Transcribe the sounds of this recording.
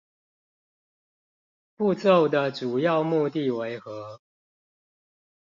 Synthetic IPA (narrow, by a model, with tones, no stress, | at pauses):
pu˥˧t͡so˥˨ʊd̪ə˨˩ʈ͡ʂu˨˩jɑ˥˧ʊmu˥˧t̪i˥˨we˧˦˥ɪxɤ˧˦